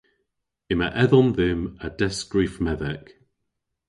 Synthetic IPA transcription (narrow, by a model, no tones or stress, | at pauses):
ɪmə̰ʔɛðɔ̃nðɪməd̥ɛsɡ̥ɹifmɛðɛk